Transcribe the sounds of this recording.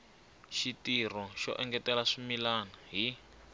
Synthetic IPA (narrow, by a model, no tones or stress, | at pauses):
ʃitirɔʃɔ̰ʔɛŋɡɛtɛlaʂimilanaɦi